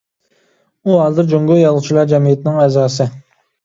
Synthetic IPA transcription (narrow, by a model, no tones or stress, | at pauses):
uɦɑːzɨɾd͡ʒoŋɡojɑlˠʁʊt͡ʃʰilˠɑɾd͡ʒɛmijɪt̪ɪnɪŋɛzɑːsɨ